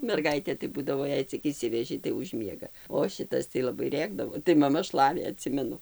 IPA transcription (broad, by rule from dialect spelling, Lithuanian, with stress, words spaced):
mʲɛrˈɡɐɪtʲeː tɐɪ ˈbuːdɐʋoː ˈjɛɪ t͡sʲɪk ɪʃʲˈsʲɪʋʲɛʒʲɪ tɐɪ ʊʃ mʲiɛɡɐ oː ˈʃʲɪtɐs tɐɪ lˠɐˈbɐɪ ˈrʲeːɡdɐʋoː tɐɪ mɐˈmɐ ˈʃlˠɑːʋʲeː ɐˈtʲsʲɪmʲɛnʊ